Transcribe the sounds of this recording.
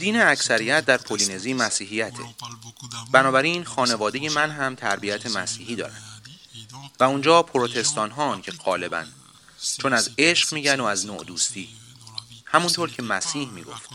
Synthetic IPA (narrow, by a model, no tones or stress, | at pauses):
d̪iːneæcʰsæɾijæt̪̚ʰd̪æɾpʰoline̞ziːmæsiːɦijæt̪ʰe̞̰ | bænɒːbæɾiːnxɒːne̞vɒːd̪eje̞mænɦæmt̪ʰæɾbiæt̪ʰe̞mæsiːhiːd̪ɒ̰ːɾæ̰nd̪ | væund͡ʒɒːpʰoɾot̪ʰe̞st̪ɒːnɦɒːncʰe̞ɢɒːle̞bæ̰nd̪̥ | t͡ʃʰonæze̞ʃɢmiːɟænoæzno̰ʔd̪uːst̪iː | hæmunt̪ʰoɾcʰe̞mæsiːhmḭːɡo̞̰ft̪